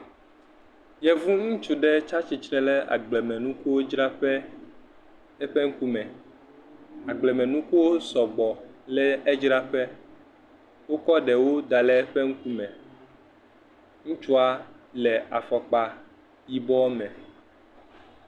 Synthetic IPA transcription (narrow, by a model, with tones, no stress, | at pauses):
jɛ˨vu˦ŋũ˦t͡ʃu˨ɖɛ˦t͡ʃa˦t͡ʃi˨t͡ʃnɛ̃˦lɛ˦a̰˨ɡ͡blɛ˨mɛ̃˨nũ˦ku˦wo˦d͡ʒɾa˦ɸɛ˦ | ɛ˦ɸe˦ŋ̩˦ku˦mɛ̃˨ | a˨ɡ͡blɛ˨mɛ̃˨nũ˦ku˦wo˦sɔ˨ɡ͡bɔ˨lɛ˦e˦d͡ʒɾa˦ɸɛ˦ | wo˦kɔ˦ɖɛ˨wo˦d̪a˨lɛ˦ɛ˦ɸe˦ŋ̩˦ku˦mɛ̃˨ | ŋũ˦t͡ʃu˦a˨ | lɛ˨a̰˨fɔ˨k͡pa˨ | ji˨bɔ˦mɛ̃˨